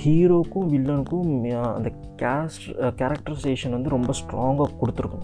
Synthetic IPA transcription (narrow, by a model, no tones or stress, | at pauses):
hiːɾoːkuʋilːɐnkuɐ̰nd̪ɐ | kaːsʈkaːɾɐk̚ʈɐɾsʈeːʂɐnɐnd̪uɾombɐsʈɾaːŋɡakuɽut̪ːiɾkɐn